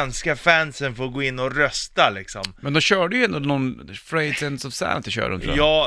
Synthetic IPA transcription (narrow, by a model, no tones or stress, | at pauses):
nskafænsənfoɾɡoːɪnːɔɾœst̪alɪksɔmmɛnd̪ɔmɕœːɖəjʏɛnd̪ʊnɔnfɾɛɪd̪sɛnsɔvsæ̰nsɪɕœ̰ːɾ̰ɔn̰ʰɑː